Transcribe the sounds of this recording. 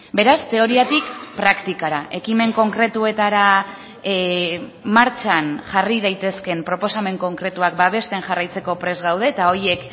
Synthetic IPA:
be̞ɾast̪e̞o̞ɾiat̪ikpɾakt̪ikaɾaʔe̞kime̞ŋko̞ŋkɾe̞t̪ue̞t̪aɾa | maɾt͡ʃanʝarið̞ajt̪e̞ske̞mpɾo̞po̞same̞ŋko̞ŋkɾe̞t̪uak̚baβ̞e̞st̪e̞nʝarajt͡se̞ko̞pɾe̞zɣawð̞e̞ːt̪ao̞je̞k

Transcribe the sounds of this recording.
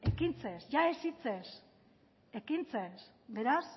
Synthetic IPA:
ekint͡sesʝaesit͡ses | ekint͡ses | be̞ɾas

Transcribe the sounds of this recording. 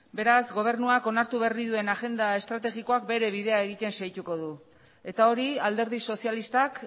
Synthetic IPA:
be̞ɾazɡo̞β̞e̞rnuako̞naɾt̪uβeriðue̞naʝe̞nd̪ae̞st̪ɾat̪e̞ɣiko̞ak̚be̞ɾe̞β̞iðe̞aeɣit̪e̞nsajt̪uko̞ð̞u | e̞t̪ao̞ɾiald̪e̞ɾð̞iso̞sialist̪ak

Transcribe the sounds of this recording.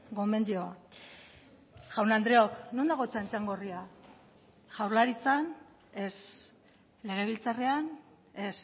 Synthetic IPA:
ɡo̞me̞nd̪ioa | ʝawnand̪ɾe̞o̞knond̪aɣo̞t͡ʃant͡ʃaŋɡo̞ria | ʝawɾlaɾit͡san | e̞s | le̞ɣ̞e̞β̞ilt͡sare̞an | e̞s

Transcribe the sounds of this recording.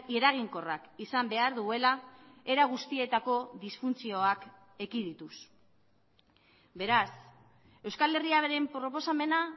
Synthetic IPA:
e̞ɾaɣ̞iŋko̞rakisambe̞aɾðue̞lae̞ɾaɣ̞ust̪ie̞t̪ako̞ðisfunt͡sio̞ak | e̞kiðit̪us | be̞ɾas | e̞wskale̞riaβeɾempɾo̞po̞same̞na

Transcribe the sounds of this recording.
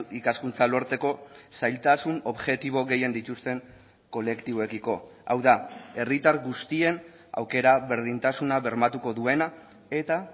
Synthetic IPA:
ikaskunt͡salo̞ɾt͡s̪e̞ko̞sajlt̪asuno̞βʝe̞t̪iβo̞ɣe̞je̞nd̪it̪ust̪e̞ŋ | ko̞le̞kt̪iβoe̞kiko̞a̰wðae̞rit̪aɾɣust̪ie̞n | a̰wke̞ɾaβe̞ɾð̞int̪asunaβe̞ɾmat̪uko̞ðue̞na | e̞t̪a

